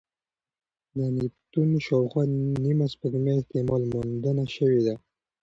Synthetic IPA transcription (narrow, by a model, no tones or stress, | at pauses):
janit̪unʃɑwxwɑnimaspəɡmjaeht̪emɑlmond̪ənaʃəwed̪a